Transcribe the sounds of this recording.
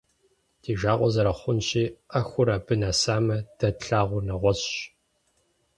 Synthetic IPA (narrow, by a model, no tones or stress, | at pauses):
d̥ʰiːʒaːʁʷɔzɐɾɐχʷʊnɕiːʔɐxʷʊɾabɨnasaːmɐd̥ɐtɬaːʁʷʊnɐʁʷɔzɕ